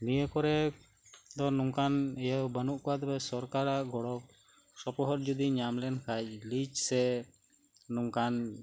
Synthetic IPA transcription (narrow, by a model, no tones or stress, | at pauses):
nijəkɔɾɛ | d̪ɔnuŋkanɛjawbənuʔkɔwat̪ɛpɛsɔɾkaɾaʔɡɔɽɔk̚ | sɔpɔɦɔɾ̚d͡ʒud̪iɲamlɛnkʰac̚lit͡ʃsɛ | nuŋkan